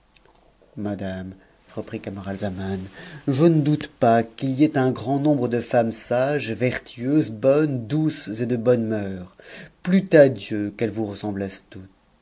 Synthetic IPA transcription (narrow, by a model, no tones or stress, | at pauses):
mad̪am | ʁəpχikamaʁalzamanʒənəd̪ut̪pakiliɛt̪ɛ̃ɡʁɑ̃nɔ̃bʁəd̪əfamsaʒvɛʁt̪ʰɥyøzbɔnd̪used̪əbɔnmœːʁplyt̪ad̪jøkɛlvuʁəsɑ̃blɛst̪ut̪